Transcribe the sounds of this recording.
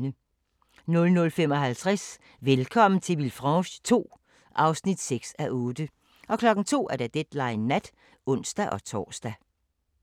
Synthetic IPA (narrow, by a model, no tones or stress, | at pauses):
nə | nɔ̽lnɔ̽lfemɒ̽ɦælt͡sʰʁas | ʋelkʰɒ̽m̰n̩t͡sʰe̝lʋilfʁɑɕt͡sʰo̝̰ː | ʔɑ̈ʊsnid̥seɡ̥sæʔɔ̽ːd̥ə | ʔɒ̽kʰlɒ̽ɡ̥n̩t͡sʰo̝̰ːæɐɾ̥æd̥ed̥lɑ̈ɪnːæd̥ | ɔ̽n̰sd̥æʔɒ̽t͡sʰɒ̰ːsd̥æ